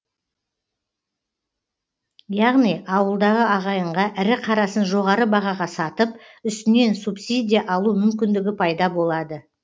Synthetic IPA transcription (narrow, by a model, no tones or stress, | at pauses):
jɑʁnijʔɑwəlˠd̪ɑʁəɑʁɑjəɴʁɑʔɪɾɪqʰɑɾɑsənʒo̞ʁɑɾəbɑʁɑʁɑsɑt̪əp̚ | ʏst̪ɪne̞nsupsid̪ʲijɑʔɑlˠumʏmkʲɪnd̪ɪɡʲɪpʰɑjd̪ɑbo̞lˠɑd̪ə